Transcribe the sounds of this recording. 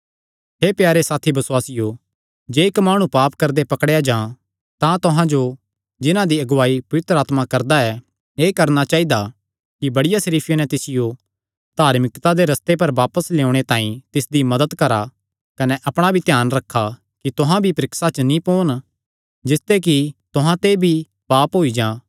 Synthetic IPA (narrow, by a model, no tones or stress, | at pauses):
ɦeːpjaːɾesaːt̪ʰibɐswaːsɪjo | d͡ʒeːɪkmaːɽ̃ũpaːpkɐɾd̪epɐkɽejad͡ʒãː | t̪ãt̪ʊɦãd͡ʒo | d͡ʒɪnãd̪iɐɡʊwaːipɐʋɪt̪ɾəaːt̪makɐɾd̪aɛ | eːkɐɾnat͡ʃaːid̪a | kibɐɽɪjasɐɾiːpʰjenɛt̪ɪsɪjo | d̪̥ʱaːɾmɪkt̪ad̪eɾɐst̪ep̬ɐɾʋaːpəsleːʊɽ̃et̪ãːĩt̪ɪsd̪imɐd̪əd̪kɐɾa | kɐnɛʔɐpɽ̃abʱit̪jaːnɾɐkʰːa | kit̪ʊɦãbʱipɾɪksat͡ʃnĩpoːn | d͡ʒɪst̪ek̬it̪ʊɦãt̪ebʱi | paːpɦoːid͡ʒãː